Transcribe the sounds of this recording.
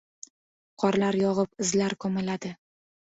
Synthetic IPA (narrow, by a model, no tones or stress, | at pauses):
qʰɒɾlaɾjɒʁɨpɪzlaɾkʰɒmɪlad̪ɪ